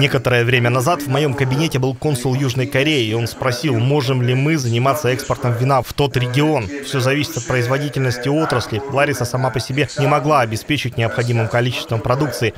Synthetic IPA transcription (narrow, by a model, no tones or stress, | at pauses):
nʲe̞kət̪əɾəjəvɾʲemʲənɐzat̪vmɐjo̞mkəbʲɪnʲetʲɪbɨlˠko̞nsʊlˠjuʐnəjkɐɾʲeɪo̞nspɾɐsʲilˠmo̞ʐɨmlʲɪmɨzənʲɪmat̪səɛkspərt̪əmvʲɪnaft̪o̞t̪ɾʲɪɡʲɪo̞nfsʲo̞zɐvʲisʲɪ̥t̪ɐt̪̚pɾəɪzvɐdʲitʲɪlʲnəsʲtʲɪo̞t̪ɾəsʲlʲɪlˠaɾʲɪsəsɐmapəsʲɪbʲenʲɪmɐɡlˠaɐbʲɪspʲet͡ɕɪtʲnʲɪɐpxɐdʲimɨmkɐlʲit͡ɕɪ̥st̪vəmpɾɐd̪ukt̪sɨɪ